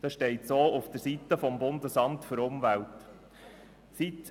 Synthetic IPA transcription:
d̥ɑʃtɛɪtsoːʊfd̪̥əɾsit̪əfɔmbʊndəsɑmtfɵɾʊmvælt | sit̪

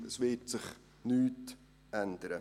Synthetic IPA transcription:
əsvɪtsɪχ | nyːt | ænd̪əɾə

